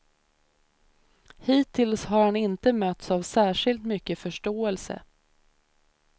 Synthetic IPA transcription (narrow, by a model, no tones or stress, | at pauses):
hiːt̪ʰɪlshaɾhanɪnt̪əmœt̪savsæːʂɪlt̪mʏkːəfœʂʈoːɛlsə̰